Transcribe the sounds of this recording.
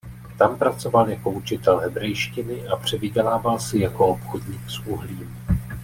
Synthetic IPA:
t̪ampɾat͡so̞valjako̞ut͡ʃɪt̪ɛlɦɛbɾɛjʃcɪnɪʔapr̝̥ɛvɪɟɛlaːvalsɪjako̞opxodɲiːksʔuɦliːm

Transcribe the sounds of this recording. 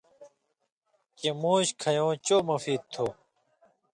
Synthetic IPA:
kemuːɕkʰɐjõːt͡ɕoːmɐfiːd̪̚t̪ʰoː

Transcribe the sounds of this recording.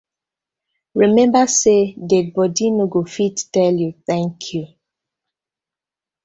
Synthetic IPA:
ɹimɛ̃mbasedɛd̚bɔdinoɡofittɛljuθɛ̃ŋkʰju

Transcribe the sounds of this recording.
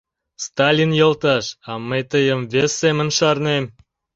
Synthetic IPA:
st̪ɑlʲinjɤlt̪ɑʃɑməjt̪əjəmvesːemə̆nʃɑrnem

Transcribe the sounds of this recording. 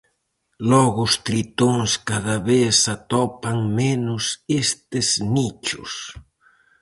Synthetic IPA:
lɔɣʊʊst̪ɾit̪oŋskaðaβesat̪ɔpaŋmenʊsest̪ɪznit͡ʃʊ̰s

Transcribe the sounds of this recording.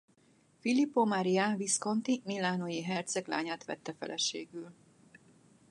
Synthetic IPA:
filipːomaɾiaːnvisko̞nt̪imilːaːnojiɦɛrt̪sɛɡla̰ːɲaːt̪ʋɛ̰t̪ːɛfɛ̰lʔɛʃḛːɡyl

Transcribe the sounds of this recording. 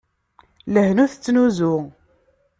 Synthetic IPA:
ləhnuθət͡sːnuzʊ

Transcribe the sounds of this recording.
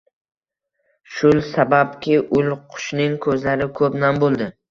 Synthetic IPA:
ʃʊlˠsabapkʲʰɪʔʊlqʰʊ̥ʃnɪŋkʰɵzlaɾɪkʰɵpnambolˠd̪ɪ

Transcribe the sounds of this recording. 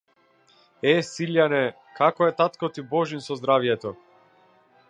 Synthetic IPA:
ɛsiljanɛ | kakɔɛt̪at̪kɔt̪ibɔʒinsɔzd̪ɾavjɛt̪ɔ

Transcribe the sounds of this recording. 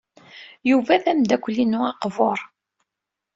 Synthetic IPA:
juvæθæmd̪ækʷːlːinʊɑqvoɾˤ

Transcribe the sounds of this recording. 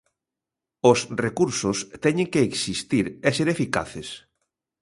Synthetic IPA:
osrekuɾsost̪ɛɲẽŋkeːksist̪iɾɛseɾefika̰θes

